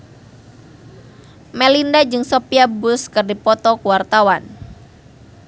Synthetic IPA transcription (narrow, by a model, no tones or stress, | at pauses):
mɛlindad͡ʒɨŋsopiabʊskɨrdipɔt̪ɔkuwart̪awan